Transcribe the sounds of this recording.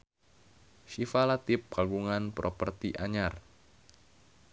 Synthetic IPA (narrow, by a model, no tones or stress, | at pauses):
ʃifalat̪ɪp̚kaɡuŋanpɾʔopərt̪iʔaɲar